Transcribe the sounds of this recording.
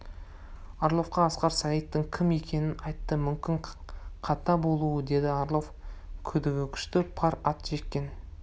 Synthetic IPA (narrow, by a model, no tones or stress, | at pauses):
ɑɾlˠo̞fqɑːsqɑɾsɑijt̪ːəŋkʲʰɪme̞kʲʰe̞nɪnɑjt̪ːəmʏmkʲɪɴqʰɑt̪ɑbo̞lˠuwəd̪e̞d̪ɪɑɾlˠo̞fkʲʰɵd̪ɪɡʲɪkʲʰʏ̥ʃt̪ɪpʰɑɾɑt̪ʒe̞k̪ʲːe̞n